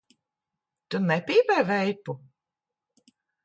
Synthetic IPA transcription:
t̪unɛpʲiːbɛːvɛjpu

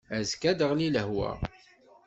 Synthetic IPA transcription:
æzkæd̪əʁliləhwæ̰

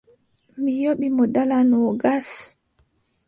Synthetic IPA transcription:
mijoɓimɔdalanɔɡas

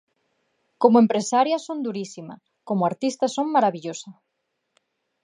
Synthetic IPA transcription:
komoempɾesaɾjɐsond̪uɾisimɐ̰ | komoaɾt̪ist̪ɐsoŋmaɾaβiʎosɐ

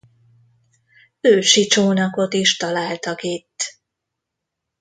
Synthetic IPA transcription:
øːʃit͡ʃoːnɒko̞t̪iʃt̪ɒlaːlt̪ɒkit̪ː

